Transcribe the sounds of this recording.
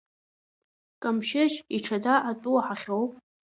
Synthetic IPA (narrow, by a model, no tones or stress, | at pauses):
kʼamʃɪʒiʈ͡ʂʰadaʔatʼuwaħaχʲowpʼ